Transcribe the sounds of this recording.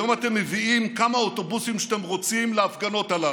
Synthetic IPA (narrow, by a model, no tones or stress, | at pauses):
jo̞mat̪e̞mːeviimkamaot̪o̞busimʃat̪e̞mʁo̞t͡simleafɡano̞tala